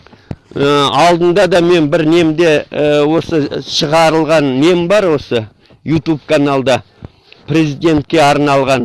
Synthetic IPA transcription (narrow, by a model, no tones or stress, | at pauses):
əɑlˠd̪ənd̪ɑd̪ɑme̞nbɪɾne̞md̪e̞wo̞səʃəʁɑɾəlˠʁɑnːe̞mbɑɾwo̞sə | jut̪up̚kʰanɑlˠd̪ɑ | pʰrʲe̞zijd̪e̞nt̪̚kʲe̞ɑɾnɑlˠʁɑn